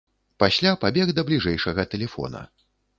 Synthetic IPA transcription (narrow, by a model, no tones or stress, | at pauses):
pasʲlʲapabʲɛɣd̪ɐblʲiʐɛjʂɐɣɐt̪ɛlʲɛfɔ̰nɐ̰